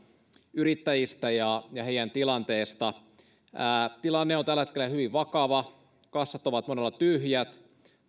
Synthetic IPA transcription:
yrit̪ːæjist̪æjɑjɑheijˑænt̪ilɑnt̪eːst̪ɑ | æːt̪ilɑnːeont̪ælːæhet̪kelːæhyʋiʋʋɑkɑʋɑ | kɑsːɑt̪ːoʋɑt̪monelːɑt̪yhjæt̪

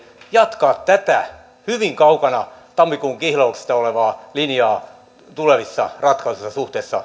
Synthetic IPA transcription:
jɑt̪kɑːt̪t̪æt̪æ | hyʋiŋkɑukɑnɑt̪ɑmːikuŋkihlɑukse̥st̪ɑoleʋɑːlinjɑː | t̪uleʋisːɑ̰rɑt̪kɑusesːɑsuht̪eːsːɑ̰

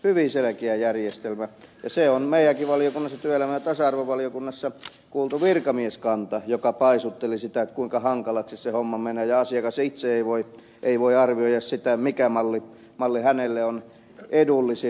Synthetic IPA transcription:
hyʋiselekeæjærjest̪elmæjɑseonmeijˑæŋkiʋʋɑlijokunːɑsːɑt̪yøelæmæjɑt̪ɑsɑɑrʋoʋʋɑlijokunːɑsːɑ | kuːlt̪uʋirkɑmieskɑnt̪ɑjokɑpɑisut̪ːelisit̪æet̪kuiŋkɑhɑŋkɑlɑkst̪issehomːɑmeneːjɑɑsiɑkɑsit̪seeiʋoi | ʔeiʋoiɑrʋioijɑssit̪æmikæmɑlːi | mɑlːihænelːeon | ʔedulːisi

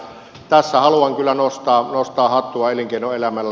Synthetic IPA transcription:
t̪æsːæhɑluɑŋkylːˑænost̪ɑːnost̪ɑːhɑt̪ːuɑeliŋkeinoelæmælːæ

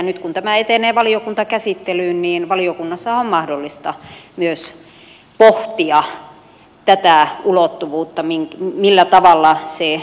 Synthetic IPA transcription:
nyt̪kunt̪æmæet̪eneːʋɑliokunt̪ɑkæsit̪ːelyːnniːnʋɑliokunːɑsːɑommɑhdolːist̪ɑmyøs | poht̪iɑ | t̪æt̪æulot̪ːuʋuːt̪ːɑmiŋmilːæt̪ɑʋɑlːɑse

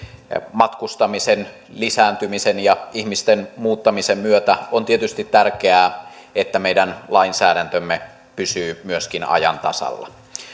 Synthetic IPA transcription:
mɑt̪kust̪ɑmisen | lisæːnt̪ymisenjɑihmist̪enmuːt̪ːɑmisemmyøt̪æont̪iet̪yst̪it̪t̪ːærkeæː | ʔet̪ːæmeidænlɑinsæːɾænt̪ømːe | pysyːmyøskinɑ̰jɑ̰nt̪ɑ̰sɑ̰lːɑ̰

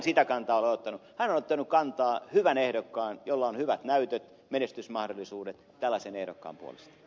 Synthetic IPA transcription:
nsit̪ækɑnt̪ɑːoleot̪ːɑnuhænonot̪ːɑnukkɑnt̪ɑːhyʋænehdokːɑːnjolːɑonhyʋæt̪næyt̪øt̪ | menest̪ysmɑhdolːˑisuːdet̪ | t̪ælːæsenehdo̰kːɑ̰ːmpuo̰lḛst̪ɑ̥

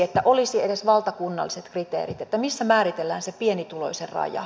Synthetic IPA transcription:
et̪ːæʔolisiedesʋɑlt̪ɑkunːɑ̰lːiset̪krit̪ḛːɾit̪et̪ːæmisːæmæːɾit̪elːæːnsepienit̪ulo̞̰iserrɑ̰jɑ̰

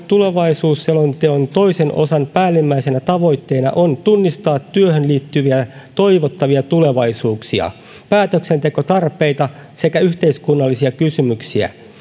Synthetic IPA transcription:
t̪ule̞ʋɑisuːsːelont̪eont̪o̞jse̞nʔo̞̰sɑnpæːlːimːæise̞næt̪ɑʋo̞jt̪ːe̞ːnɑ̰ʔo̞nt̪unːist̪ɑːt̪ːyøɦønliːt̪ːyʋiæt̪o̞iʋot̪ːɑʋiɑt̪ule̞ʋɑjsuːksiɑ̰ | pæːt̪økse̞nt̪e̞ko̞t̪ɑrpe̞jt̪ɑse̞kæyht̪e̞iskunːɑlːisiɑkysymyksiæ̰

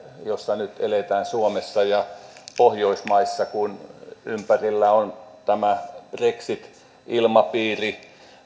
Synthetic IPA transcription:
josːɑnyt̪elet̪æːnsuomesːɑjɑpohjoismɑisːɑkunympærilːæont̪æmæb̥reksit̪ | ilmɑpiːri

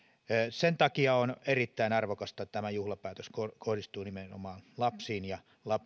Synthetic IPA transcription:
sent̪ɑkiɑonerit̪ːæinɑrʋokɑst̪ɑt̪æmæjuhlɑpæːt̪øskokʰohdist̪uːnimeno̰mɑːnlɑpsiːnjɑ | lɑp

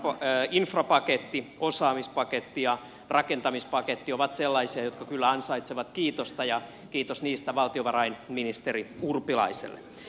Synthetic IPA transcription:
pːinfrɑpɑket̪ːiosɑːmispɑket̪ːijɑ | rɑkent̪ɑmispɑket̪ːioʋɑt̪selːɑisiɑjot̪̚kɑkylːæɑnsɑit̪seʋɑt̪kiːt̪ost̪ɑjɑ | kiːt̪osniːst̪æʋɑlt̪ioʋɑrɑinminist̪eriurpilɑ̰isḛlːḛ

